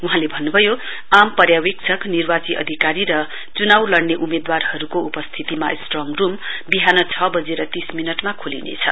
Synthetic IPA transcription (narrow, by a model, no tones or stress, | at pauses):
uɦãlebʱʌnːubʱʌjo | ampʌrjawek̚t͡sʰʌknirbat͡siʔʌ̰d̪ʱikaɾiɾʌ | t͡sunawlʌɽneʔumed̪warhʌɾukoupʌst̪ʰit̪ima̰sʈrɔŋɡrumbiɦanʌt͡sʰʌbʌd͡zeɾʌt̪isminʌʈmakʰulḭnḛt͡sʰʌ̰